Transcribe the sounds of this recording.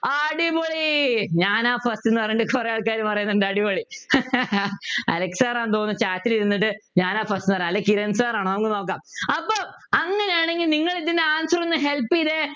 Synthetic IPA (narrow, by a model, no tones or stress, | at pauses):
aɐɽiboɭiɲaːnaːfɐstenːɨpɐjuɳɖɨkorejaːɭkaːɾumpɐrɐjunːɐɳɖɐɽiboɭi | ɐ̰leksaːraːnt̪oːnːɨt͡ɕaːtːiliɾunːiʈ̬ːɨɲaːnaːfɐstinɨpɐrɐɐlːekiɾɐnsaːraːɳɐɐɐŋːɨno̞ːk̬ːaːmɐpːoːɐŋːɐnejaːɳe̞ŋɡilniŋːɐɭiðindeaːnsɐrɐnːɨɦelpːiðe